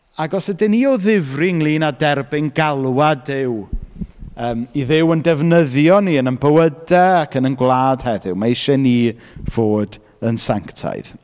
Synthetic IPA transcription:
aɡɔsədɪniɔðɪvrɪŋlˠiːnadɛrbɪŋɡalˠwadɪw | əːmiðɪwəndɛvnəðjɔniənənbəwədɛakʰənənɡwlˠaːd̥hɛðɪwmaɪʃɛniː | v̥oːd | ənsaŋktʰa̰jð

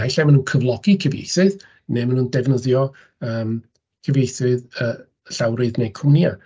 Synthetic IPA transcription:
hajɬamənuːnkʰəvlˠɔɡikʰəvjḛjθɨð | nemənuːndɛvnəðjɔ | əːm | kʰəvjejθɨðə | ɬawɾɨðnejkʰʊnja

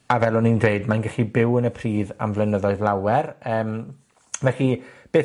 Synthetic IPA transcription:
avɛlˠɔnindweɨdmanɡɛɬibɪwənəpʰriːða̰mvlˠənəðɔɨðlˠawɛrəːm | vɛɬib̥eː

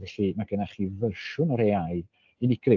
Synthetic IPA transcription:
ɛɬimaɡənaχivəʃʊnəɾeajd | inɪɡ̥rɪ

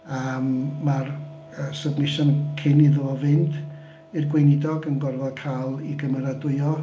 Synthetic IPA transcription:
aəmːar | əsəbnɪʃɔnkʰɪniðoɔvɪnd | irɡwejnɪdɔɡənɡɔrvɔkʰajlˠiɡəməɾadʊɨɔ

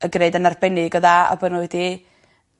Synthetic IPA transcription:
əɡreɨdənarbɛnɪɡəðaa̰bənuedi

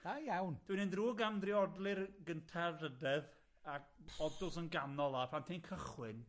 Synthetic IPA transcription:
ajawnd̥wɪnɪndruːɡamdrɪɔdlˠɪrɡəntʰarədɛð | akbɔdʊsənɡanɔlˠapʰantʰejnkʰəχwɪn

